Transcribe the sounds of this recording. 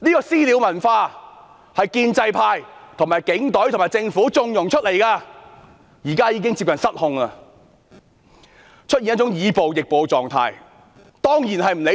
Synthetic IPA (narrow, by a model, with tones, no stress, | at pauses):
niː˥kɔː˧siː˥li˨˧wmɐ˨˩nfaː˧ | hɐ˨jkiː˧nt͡sɐ˧jpʰaː˧jt̪ʰʊ˨˩ŋmaː˨jkɪ˨˥ŋt̪ɵ˨˥ɥt̪ʰŋmaː˨jt͡sɪ˧ŋfuː˨˥t͡sʊ˧ŋjʊ˨ŋt͡ʃʰɵ˥t̚le˨˩jkaː˧ | jiː˨˩kaː˥jiː˧kɪ˥ŋt͡siː˧p̚kɐ˨nsɐ˥t̚hʊ˧ŋlaː˧ | t͡ʃʰt̚ji˨n̚˥t͡sʊ˨˥ŋjiː˨˧po˨wjɪ˨˩k̚po˨˧wt͡sɔː˨ŋt̪ʰa̰ː˧j | t̪ɔː˥ŋjiː˨˩nɦɐ˨jm̩˨˩le˨˧˥